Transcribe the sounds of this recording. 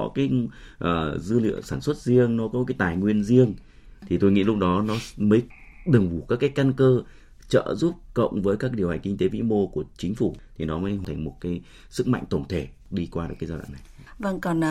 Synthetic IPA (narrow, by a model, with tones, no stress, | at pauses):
ɔ˨˦kaː˨˦jʔəː˨˩zɨ˧lḭ˧˨əwsaː˧˩nswə˦˥t̚zi˧əŋnɔ˨˦kɔ˨˦kaː˨˦jt̪aː˨˩jŋwi˧ənzi˧əŋ | t̪ʰi˨˩t̪o˧jŋḭ˧˥lʊ˦˥k͡p̚ɗɔ˨˦nɔ˨˦mə˨˦j | ɗɨ˨˩ŋvu˧˩kaː˦˥kːaː˨˦jka˧nkəː˧ | t͡ɕə̰ː˧˨zu˦˥p̚kə̰˧˨wŋ͡mvəː˨˦jkaː˦˥k̚ɗi˨˩əwha˨˩jŋ̟kï˧ŋ̟t̪e˨˦vḭ˧˥mo˧ku˧˩ət͡ɕï˨˦ŋ̟fu˧˩t̪ʰi˨˩nɔ˨˦məː˨˦jht̪ʰa˨˩ŋ̟mo˨˩t̚kaː˨˦j | sɨ˦˥k̚ma̰˧˨ŋ̟t̪ə˧˩wŋ͡mt̪ʰe˧˩ | ɗi˧kwaː˧i˨˩kaː˨˦jzaː˧ɗa̰˧˨na˨˩j | və˧ŋkɔ˨˩n